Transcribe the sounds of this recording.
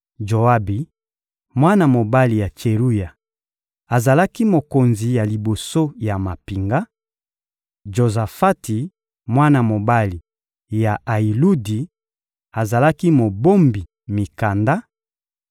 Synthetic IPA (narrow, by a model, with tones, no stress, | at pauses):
d͡ʒo˨a˦bi˨ | mwa˦na˨mo˨ba˦li˨ja˨t͡ʃe˨ʁu˦ja˨ | a˨za˨la˦ki˦mo˨ko˨nzi˨ja˨li˨bo˨so˦ja˨ma˨pi˨ŋɡa˦ | ʒo˨za˨fa˦ti˨ | mwa˦na˨mo˨ba˦li˨ | ja˨a˨i˨lu˦di˨ | a˨za˨la˦ki˦mo˨bo˦mbi˨ | mi˨ka˨nda˦